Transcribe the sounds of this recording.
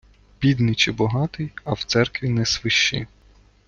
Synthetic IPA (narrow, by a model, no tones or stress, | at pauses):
bʲid̪nɪjt͡ʃɪbɔɦɑt̪ɪjɐwt̪sɛrkʋʲinɛsʋɪʃːɪ̰